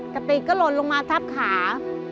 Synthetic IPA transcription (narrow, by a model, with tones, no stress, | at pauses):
t̪ɛː˨˩p̪iː˧kɔː˥˩lo˧t̪̚lo˧ŋmaː˧t̪ʰa˦˥˩p̚kʰaː˩˦